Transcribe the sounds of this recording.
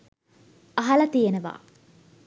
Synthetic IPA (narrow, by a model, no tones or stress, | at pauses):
ɐɦɐlɐt̪ijenəʋa̰ː